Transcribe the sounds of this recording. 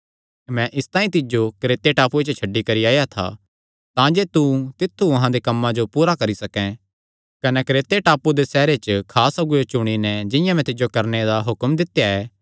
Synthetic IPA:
mɛ̃ʔɪst̪aːĩt̪ɪd͡ʒokɾeːt̪eʈaːpuet͡ʃət͡ʃʰɐɖːikɐɾiaːjat̪ʰa̰ | t̪ãd͡ʒeːt̪ut̪ɪt̪ʰːuɐɦãd̪ekɐmːãd͡ʒopuːɾakɐɾisɐkɛ̃ | kɐnɛkɾeːt̪eʈaːpud̪esɛːɾet͡ʃəkʰaːsɐɡʊjot͡ʃʊɽ̃inɛd͡ʒɪ̃jãmɛ̃t̪ɪd͡ʒokɐɾned̪aɦʊkəmd̪ɪt̪jaɛː

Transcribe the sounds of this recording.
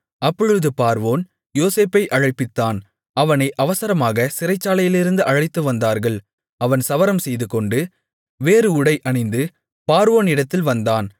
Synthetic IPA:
ɐpːɔɻɯðɯpaːɾʋoːn | joːseːpːɐɪʔɐɻɐɪpːɪt̪ːaːn | ɐʋɐnɐɪʔɐʋɐsɐɾɐmaːɣɐsɪɾɐɪt͡ʃːaːlɐjɪlɪɾɯnd̪ɯʔɐɻɐɪt̪ːɯʋɐnd̪aːɾɣɐɭ | ɐʋɐnsɐʋɐɾɐmsɛjðɯkɔɳɖɯ | ʋeːɾɯʊɽɐɪʔɐɳɪnd̪ɯ | paːɾʋoːnɪɽɐt̪ːɪlʋɐnd̪aːn

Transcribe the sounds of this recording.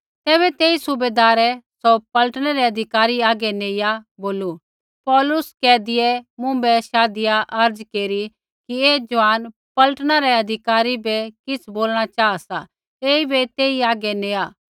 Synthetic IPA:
t̪ɛːβɛt̪eːisʊbeːd̪aːɾɛsɔpɐlʈɽ̃ɛɾɛɐd̪ʱɪkaːɾiaːɡɛneːjaboːlu | pɔːlʊskɛːd̪ɪjɛmʊ̃bɛʃaːd̪ɪjaʔɐɾd͡ʒkeːɾi | kieːd͡ʒʋaːn | pɐləʈɽ̃aɾɛɐd̪ʱɪkaːɾibɛkɪt͡sʰboːlɽ̃at͡ʃaːasa | eːibɛt̪eːiaːɡɛneːaː

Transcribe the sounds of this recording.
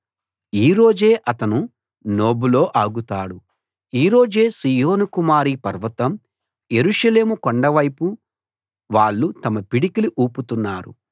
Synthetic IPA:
iːɾo̞ːd͡ʒe̞ːʔɐt̪ɐnu | no̞ːbulo̞ːʔaːɡut̪aːɽu | iːɾo̞ːd͡ʒe̞ːsiːjo̞ːnukumaːɾipɐɾʋɐt̪ɐm | je̞ɾuʂɐle̞ːmukoɳɖɐʋɐjpu | ʋaːɭːut̪ɐmɐpiɽikiliʔuːput̪unːaːɾṵ

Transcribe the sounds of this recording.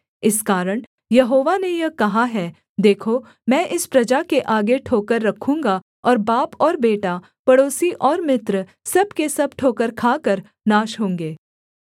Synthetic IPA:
ɪskaːɾəɽ̃ | jɐɦoːʋanejɐkɐɦaɦɛː | d̪eːkʰo | mɛ̃ːʔɪspɾɐd͡ʒakeʔaːɡeʈʰoːkəɾːɐkʰũːŋɡa | ɔːɾbaːpɔːɾbeːʈa | pɐɽoːsiʔɔːɾmɪt̪ɾ | sɐbkesɐb̚ʈʰoːkəɾkʰaːkəɾ | naːʃɦõːŋɡeː

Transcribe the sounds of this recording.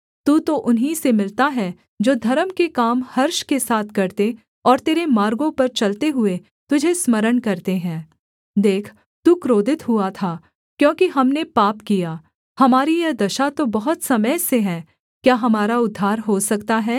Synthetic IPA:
t̪uːt̪oʔʊnɦisemɪlt̪aɦɛ | d͡ʒoːd̪ʱɐɾəmkekaːmhɐɾʃkesaːt̪ʰkɐɾt̪e | ɔːɾt̪eːɾemaːɾɡõpɐɾt͡ʃɐlt̪eɦʊe | t̪ʊd͡ʒʱesmɐɾəɳkɐɾt̪eɦɛ̃ː | d̪eːkʰ | t̪uːkɾoːd̪ʱɪt̪ɦuat̪ʰaː | kjõːkiɦɐmnepaːpkijaː | hɐmaːɾijɐd̪ɐʃat̪obɐɦʊt̪sɐməjseɦɛ̃ː | kjaːɦɐmaːɾaʊd̪ʱːaːɾɦosɐkt̪aɦɛː

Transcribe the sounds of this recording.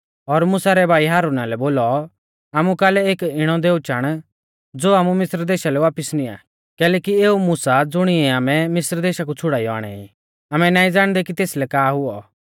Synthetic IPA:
ɔɾmʊsaɾɛbʱaːiɦaːɾunalɛboːlɔ | aːmukaːlɛeːkɪɽ̃ɔd̪eːut͡ʃaːɽ̃ | d͡zoːaːmũmɪsɾd̪eːʃalɛʋaːpɪsnĩa̰ː | kɛːlɛːkieːumʊːsad͡zʊɽ̃ɪɛaːmɛmɪsɾd̪eːʃakut͡sʰʊɽaːijɔa̰ːɽ̃ɛ̰ḭ | aːmɛnaːĩd͡zaːɽ̃d̪ɛkit̪eːslɛkaːɦʊɔ

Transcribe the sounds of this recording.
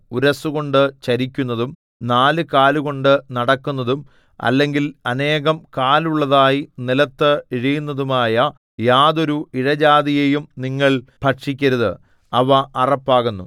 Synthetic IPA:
uɾɐsuɣo̞ɳɖɨt͡ɕɐɾikʲːunːɐðum | naːlɨkaːluɣo̞ɳɖɨnɐɽɐkːunːɐðum | ɐ̰lːe̞ŋɡilɐne̞ːɣɐmkaːluɭːɐðaːjinilɐt̪ːɨiɻijunːɐðumaːjɐ | jaːðo̞ɾuiɻɐd͡ʑaːðijejumniŋːɐɭpɐʈʂikʲːɐɾuðɨ | ɐʋɐʔɐrɐpːaːɣunːu

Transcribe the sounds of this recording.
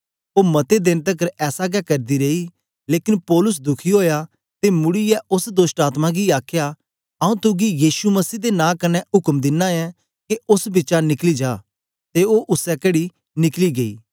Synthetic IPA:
oːmɐt̪ed̪ɪnt̪əkəɾɛːsaɡɛkɐɾd̪iɾei | leːkɪnpɔːlʊs̬d̪ʊkʰiɦoːja | t̪emʊɽijɛʔʊsd̪oːsʈaːt̪mãɡiaːkʰja | ɐũːt̪ʊɡijiːʃumɐsiːd̪enãːkɐnɛʊkəmd̪ɪnːãɛ̃ | keʊsbɪt͡ʃanɪklid͡ʒaː | t̪eoːʔʊsɛkɐɽi | nɪkliɡeḭː

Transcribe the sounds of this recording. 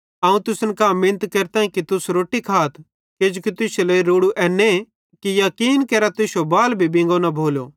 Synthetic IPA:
ɐːũt̪ʊsənkamɪ̃nət̪kɐɾt̪ãːĩkit̪ʊsɾoːʈikʰaːt̪ | ked͡ʒkit̪ʊsleiɾoːɽuʔɛːne | kijɐkiːnkɐɾat̪ʊsobaːlbʱibɪ̃ŋ̆ɡonɐbʱoːlo̰

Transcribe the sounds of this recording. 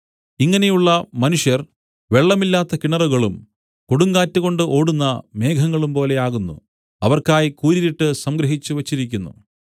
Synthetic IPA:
iŋːɐne̞juɭːɐmɐnuʂjɐr | ʋe̞ɭːɐmilːaːt̪ːɐkiɳɐrɐɣɐɭum | koɽuŋɡaːtːuɣo̞ɳɖɨʔo̞ːɽunːɐme̞ːɡʰʱɐŋːɐɭumpo̞ːle̞aːɣunːṵ | ɐ̰ʋɐrkaːjikuːɾiɾiʈːɨsɐmɡɾɐɦit͡ɕːuʋɐt͡ɕːiɾikʲːunːṵ

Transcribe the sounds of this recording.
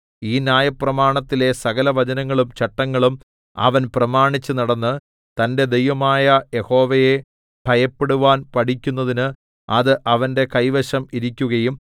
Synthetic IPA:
iːnjaːjɐprɐmaːɳɐt̪ːile̞sɐɣɐlɐʋɐd͡ʑɐnɐŋːɐɭumt͡ɕɐʈːɐŋːɐɭum | ɐ̰ʋɐnprɐmaːɳit͡ɕːɨnɐɽɐnːɨ | t̪ɐnde̞d̪ejʋɐmaːjɐje̞ho̞ːʋɐje̞ | b̥ʱɐjɐpːe̞ɽuʋaːnpɐʈʰikʲːunːɐðinɨ | ɐðɨʔɐʋɐnde̞kɐjʋɐɕɐmiɾikʲːuɣɐjum

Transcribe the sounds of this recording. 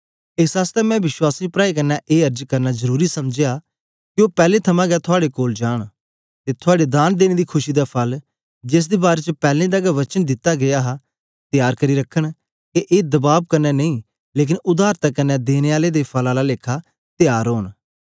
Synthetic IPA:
ɪsaːst̪ɛmɛ̃ːʋɪswaːsiːpɾaːik̬ɐɾnːaʔeːəɾd͡ʒkɐɾnazəɾuːɾisɐmd͡ʒeja | kɪoːpɛːlet̪ʰɐmãːɡɛːt̪ʰʊaːɽekoːld͡ʒaːɽ̃ | t̪et̪ʰʊaːɽed̪aːnd̪eːñeːd̪iːkʰʊʃiːd̪apʰɐl | d͡ʒɪs̬d̪eːbaːɾeːt͡ʃpɛːlẽd̪aɡaʋɐt͡ʃənd̪ɪt̪ːaɡɪjaːɦaː | t̪ɪjaːɾkəɾiɾəkʰəɽ̃ | keʔeːd̪ɐbaːb̚kɐnɛnɐĩː | leːk̬ɪnʊd̪aːɾt̪akɐnːɛd̪eːneːaːled̪epʰɐlãːlaleːkʰaː | t̪ɪjaːɾɦoːn

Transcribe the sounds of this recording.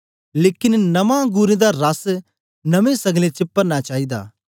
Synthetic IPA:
leːkɪnnɐmãɡuːɾẽd̪aɾɐs | nɐmẽsɐɡlẽt͡ʃɪpːəɾnat͡ʃaːɦid̪a̰ː

